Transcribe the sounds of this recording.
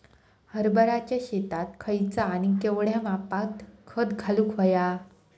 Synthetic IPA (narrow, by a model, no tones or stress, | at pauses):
həɾbəɾat͡ɕjaɕet̪at̪kʰəjt͡saːñikeʋɽjamapat̪kʰəd̪ɡʰʱalukʰɦoja